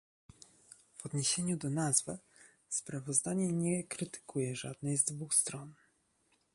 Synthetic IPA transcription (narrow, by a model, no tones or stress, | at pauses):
v̥ɔd̪ɲeɕeɲud̪ɔnazvɛ | spɾavɔzd̪aɲɛɲɛkɾɘt̪ɘ̥kʰujɛʐa̰d̪̚nɛjzd̪vuxst̪ɾɔn